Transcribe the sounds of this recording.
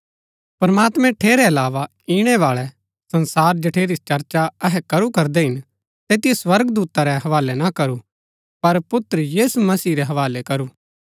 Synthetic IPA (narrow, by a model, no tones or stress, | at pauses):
pɾɐmaːt̪mɛ̃ʈʰeːɾɛɐlaːʋa | iːɽ̃ɛʋaːɭɛ | sɐ̃nsaːɾd͡ʒɐʈʰeːɾit͡ʃɐɾt͡ʃaɐɦɛkɐɾukɐɾd̪ɛɦɪn | t̪eːt̪ɪjeswɐɾɡd̪uːt̪aɾɛɦɐʋaːlɛnakɐɾu | pɐɾpʊt̪ːɾəjiːsumɐsiːɾɛɦɐʋaːlɛkɐɾuː